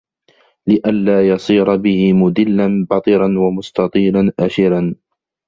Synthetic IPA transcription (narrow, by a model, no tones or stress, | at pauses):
lɪʔanlaːjɑsˤiːɾˤɑbɪhɪmʊd̪ɪlːanbɑt̪ˤɨɾɑnwamʊst̪ɑt̪ˤiːlanʔaʃɪɾan